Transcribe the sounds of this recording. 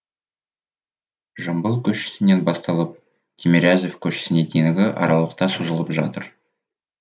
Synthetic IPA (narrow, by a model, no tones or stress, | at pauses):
ʒəmbəlˠkʲʰɵʃɪ̥sɪne̞nbɑst̪ɑlˠəp̚ | t̪ʲʰemʲeɾʲazefkʲʰɵʃɪ̥sɪne̞d̪ʰeŋɪɡʲɪʔɑ̰ɾɑlˠəq̚t̪ɑsuzəlˠəpʒɑt̪əɾ